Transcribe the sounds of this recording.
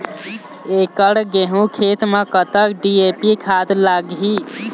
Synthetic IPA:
ekəɽɡeɦũkʰet̪mekət̪əkɖiepikʰad̪laɡi

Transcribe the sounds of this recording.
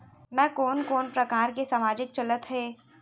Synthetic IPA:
mɛ̃ːkoːnkoːnpɾɐkaːɾkesaːmaːd͡ʒɪk̚t͡ʃɐlət̪ɦeː

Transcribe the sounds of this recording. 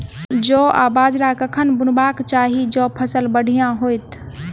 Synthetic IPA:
d͡ʒɔʔa̰bad͡ʒɾakəkʰənbunbakt͡ʃaɦid͡ʒɔpʰəsəlbəɽ̤ʱijãɦojt̪ʰ

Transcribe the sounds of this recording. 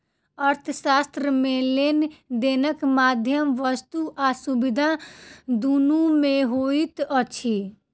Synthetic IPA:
əɾt̪ʰəsast̪ɾəmelend̪enəkmad̪ʱjəmʋəst̪uʔasubid̪ʱad̪unumeɦoit̪ət͡ʃʰi

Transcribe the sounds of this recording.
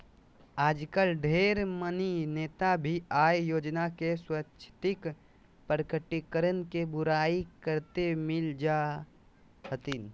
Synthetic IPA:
aːd͡ʒkəlɖʱeːɾmənineːt̪abʱiaːjjoːd͡ʒnakeswətːʃʰə̥t̪ɪk | pəɾəkəʈːikəɾənkebʊɾaːikəɾt̪emɪld͡ʒaː | hət̪in

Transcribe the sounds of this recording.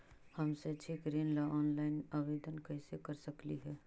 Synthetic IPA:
həmset͡ʃʰekɾeːnlaʔɔːnlaɪnabeːd̪ənkəɪsekəɾsəkliɦɛː

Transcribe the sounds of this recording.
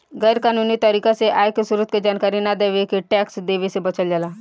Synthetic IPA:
ɡəjɾkanunit̪aɾikaseʔajkəsuɾut̪̚ked͡ʒankaɾinad̪eʋekeʈɛksd̪eʋesebət͡səld͡ʒala

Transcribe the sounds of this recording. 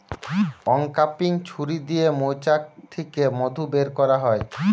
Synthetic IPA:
ɔŋkapiŋt͡ɕʰuɾid̪ijemojt͡ɕak̚t̪ʰːekemod̪ʱubeɾkɔɾaɦɔe

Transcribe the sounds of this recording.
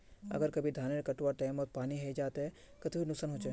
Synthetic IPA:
ɐ̰ɡəɾkɐbʱid̪ʱaːneɾkɐʈwaʈãːɪmɔːpaːniɦeid͡ʒaːt̪ɦɛ | kɐt̪ʰbʱinʊksənɦoːt͡ʃe

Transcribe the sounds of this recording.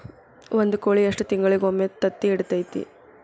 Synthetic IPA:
ʋond̪ukoːɭieʂʈut̪iŋɡɐɭiɡomːet̪ɐt̪ːiːɽut̪ɐjt̪ḭ

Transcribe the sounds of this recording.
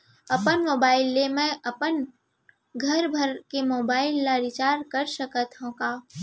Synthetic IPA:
ɐpənmoːbaːɪlːemɛ̃ʔɐpən | ɡʱɐɾbʱəɾkemoːbaːɪlːaɾɪt͡ʃaːɾkɐɾʃəkət̪ɦõkaː

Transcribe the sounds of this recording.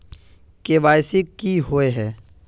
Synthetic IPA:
keʋaːjsɪkːiɦoeɦɛː

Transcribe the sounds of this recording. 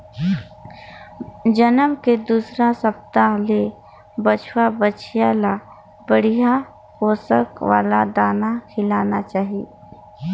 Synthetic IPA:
d͡ʒənəmked̪uːsɾasəp̚t̪ale | bət͡ʃʰwabət͡ʃʰijala | bəɽ̤ija | koːsəkʋa̰ːlad̪aːnakʰɪlaːnat͡ʃaːɦije

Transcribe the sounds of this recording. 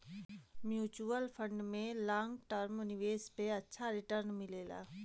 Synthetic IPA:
mjuːt͡ʃuəlpʰə̃ɳɖmẽlãːŋɡʈəɾmʊnɪʋeːspeətːʃʰaɾɪʈəɾnmɪleːla̰ː

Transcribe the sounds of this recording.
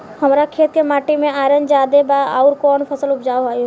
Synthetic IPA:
həmɾakʰeːt̪̚kemaːʈimẽaːɾənd͡ʒaːd̪ebaa̰ːʊɾkɔːnpʰəsəlʊpd͡ʒaːoɦaːjo

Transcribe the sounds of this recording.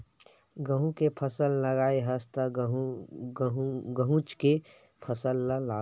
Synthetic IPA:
ɡə̃ɦũkepʰəsəlːəɡaːeɦəst̪ə | ɡəɦũt͡ʃke | pʰəsəlːəlaː

